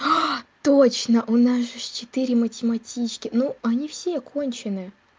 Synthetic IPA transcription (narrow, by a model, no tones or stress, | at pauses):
t̪ot͡ɕnəʔʊnasʐɨst͡ɕɪt̪ɨɾʲɪmətʲɪmɐtʲit͡ɕkʲɪnuɐnʲifsʲekʰo̞nʲt͡ɕɪnɨ